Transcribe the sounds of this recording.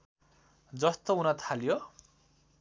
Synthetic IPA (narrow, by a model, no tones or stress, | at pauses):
d͡zʌst̪ounat̪ʰaljo